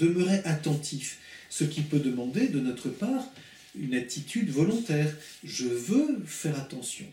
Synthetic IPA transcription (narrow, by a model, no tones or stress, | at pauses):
d̪əməʁeʔat̪ɑ̃t̪ʰifsəkʲipød̪əmɑ̃d̪ed̪ənɔt̪χəpaːʁ | ynat̪ʰit̪ʰyd̪vɔlɔ̃t̪ɛːʁ | ʒəvøfɛʁat̪ɑ̃sjɔ̰̃